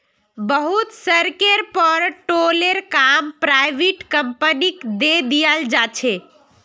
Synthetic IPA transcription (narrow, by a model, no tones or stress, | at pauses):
bəɦut̪səɾkeɾpəɾʈoleɾkampɾajʋeʈkəmpənikd̪ed̪ijəld͡ʒat͡ʃʰe